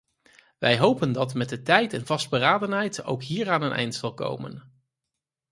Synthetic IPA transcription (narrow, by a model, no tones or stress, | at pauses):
ʋɛjɦowpəndɑtmɛt̚dətɛjtɛnv̥ɑsd̚bəraːdənɦɛjto̰wkɦiːraːnənʔɛ̰jntsɑlˠko̰wmə̰n